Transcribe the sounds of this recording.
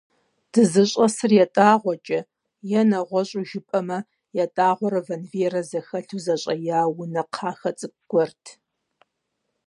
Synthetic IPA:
d̥ɨzɨɕʼɐsɨrjɛtʼaːʁʷɔt͡ʃʼɐ | jɛnɐʁʷɔɕʼuʒɪpʼɐmɐ | jɛtʼaːʁʷɔɾɐvɐnveːɾɐzɐxɐɬuzɐɕʼɐjaːwʊnɐqʰɑːxɐt͡sʼɨɡ̥ʷɔrtʰ

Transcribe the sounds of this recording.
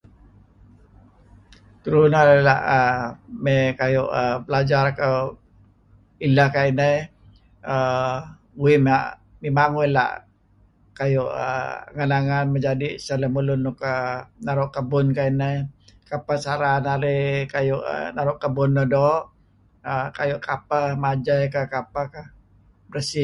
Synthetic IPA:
t̪uɾunaɾela̰ʔəmekajʊʔəpəlad͡ʒaɾakaw | ilahkainə | ə | uimaʔ | mimaŋuila̰ʔ | kajʊʔə̰ŋanaŋanməd͡ʒadisələmulʊnukənaɾʊʔkəbʊnkainəkapəsaɾanaɾekajʊʔə̰naɾʊʔkəbʊnːɔdɔʔ | əkajʊʔkapəmad͡ʒajkəkapəkə | bɾəsi

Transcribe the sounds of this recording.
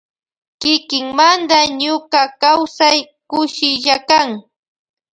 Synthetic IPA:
kɪkɪŋmand̪aɲʊkakawsaj | kʊʃɪʎakaŋ

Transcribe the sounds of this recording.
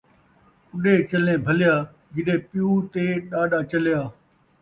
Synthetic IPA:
ʊɗeːt͡ʃəlnẽːbʱəljaː | ɡɪɗẽːpɪjũːt̪eːɗaːɗaːt͡ʃəljaː

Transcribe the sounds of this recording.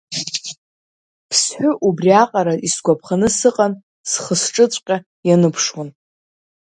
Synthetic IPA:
pʰsħʷᶣʊʔubriaqʼaɾaisɡʷapʰχanɨsɨqʼan | sχəsʈ͡ʂʼɨt͡sʷʼqʲʼa | janɨpʰʂwan

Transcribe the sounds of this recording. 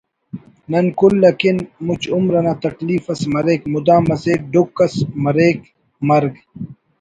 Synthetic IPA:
nɐnkulːɐkinmut͡ɕumɾɐnaːt̪ɐkliːfɐsmɐɾeːkmud̪ãːmɐseːk̚ɖukːɐsmɐɾeːk | mɐɾɡ

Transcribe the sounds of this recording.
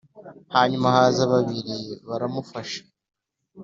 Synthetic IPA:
haːɲumahaːzaβaβiɾiβaɾamufaʃḁ

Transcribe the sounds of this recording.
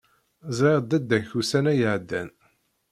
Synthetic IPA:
zˤɾeʁd̪æd̪ːæçusænæjəʕd̪ːæ̰n

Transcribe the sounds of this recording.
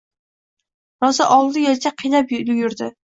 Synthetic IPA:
ɾɒzɪʔɒlˠd̪ɪjɒlt͡ʃʰaqʰijlaplɡʲʊɾd̪ɪ

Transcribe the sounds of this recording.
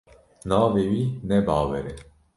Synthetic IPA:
nɑːvewinɛbɑːwɛɾɛ

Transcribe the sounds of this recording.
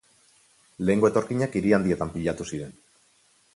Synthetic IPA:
le̞ːŋɡo̞e̞t̪o̞ɾkiɲakiɾiand̪ie̞t̪ampiʎat̪usiɾe̞n

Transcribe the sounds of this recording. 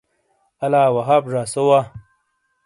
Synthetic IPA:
ɐlaːwɐɦaːbʐaːsowa

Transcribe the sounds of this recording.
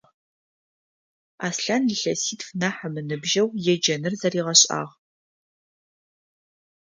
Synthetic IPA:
aːsɬanɮɨɬɐsiːtfnaːħəmɨnɨbʒɐwjɛd͡ʒɐnɨrzɐriːʁɐɕʼa̰ːʁ

